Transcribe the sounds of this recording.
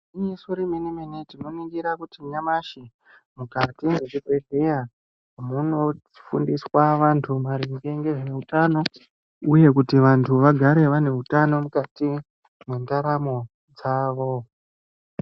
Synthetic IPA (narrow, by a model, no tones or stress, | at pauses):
iɲisoɾiminimenitino̞niɡiɾakutiɲamaʃi | mukatiŋɡet͡ʃikedʱeja | muno̞ | i̥fundiswaʋantʰumaɾiŋɡe̞ŋɡe̞ʐeutano̞ | uje̞kutiʋantʰuʋaɡʱaɾe̞ʋane̞utano̞mukati | mwendaɾamo | d͡zaːʋo